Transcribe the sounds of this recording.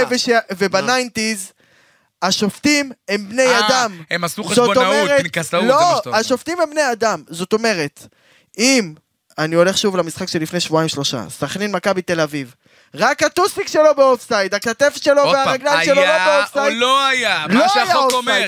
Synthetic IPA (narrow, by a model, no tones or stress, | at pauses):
veʃevebanajnt̪iz | aʃo̞ft̪imembnejad̪amemasuzottomeʁetsloaʃo̞ft̪imembnejad̪amzo̞t̪o̞me̞ʁe̞t̪ | im | anio̞le̞χʃuvlamisχakʃelifne̞jʃvuaimʃlo̞ʃa̰saχninmakabit̪e̞laviv | ʁakat̪usikʃe̞lo̞beofsait̪aklat̪efet̪ʃelo̞veaʁaɡlanʃelolobeofsajioajaloajaosa